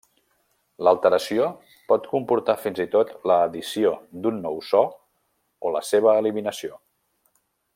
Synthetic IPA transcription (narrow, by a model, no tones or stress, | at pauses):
ləlˠt̪əɾəsio | pɔt̪kumpuɾt̪afinzit̪ot̪ləːðisiod̪unːɔwsɔ | oləseβ̞əːliminəsio